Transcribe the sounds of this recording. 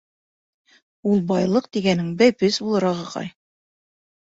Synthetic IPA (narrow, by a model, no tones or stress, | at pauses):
ulˠbɑjlˠɤqt̪iɡænɘŋbæjpɘsbulˠɤ̆ɾɑʁɤqɑ̰j